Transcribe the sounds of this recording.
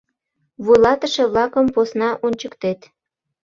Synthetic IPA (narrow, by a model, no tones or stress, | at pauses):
βujlɑt̪əʃeβlɑkəmposnɑʔonʲt͡ɕəkt̪et̪